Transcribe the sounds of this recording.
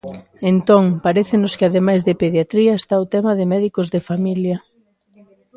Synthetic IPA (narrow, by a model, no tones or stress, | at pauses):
ent̪oŋpaɾeθɪnʊskɪaðemajzðɪpeðjat̪ɾiɐest̪aot̪ɛmɐðɪmɛðikozðɪfamiljɐ